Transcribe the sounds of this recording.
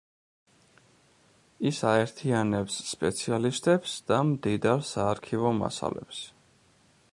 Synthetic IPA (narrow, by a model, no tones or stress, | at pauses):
isaɛɾt̪ʰianɛpsːpʼɛt̪sʰialist̪ʼɛpsd̪̥amd̪id̪aɾsaːɾkʰivɔma̰sa̰lɛ̰ps